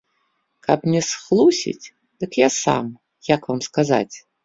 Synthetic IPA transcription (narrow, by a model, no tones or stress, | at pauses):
kapnʲɛsxlˠusʲḭt͡sʲ | d̪̥ɨkjasa̰m | jakvamskaza̰t͡sʲ